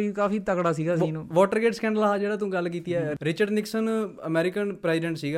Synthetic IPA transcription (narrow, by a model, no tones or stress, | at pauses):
iːkaːfiːt̪əkɽaːsiːɡaːsiːnũːʋɔːʈəɾɡeːʈskɛ̃ːɳɖəlaːɦaːd͡ʒeːɽaːt̪ũːɡəlːkiːt̪iɛːɾɪt͡ʃəɖnɪksənəmɛːɾɪkənpɾɛːɪɖɛ̃ːɳʈsiːɡaː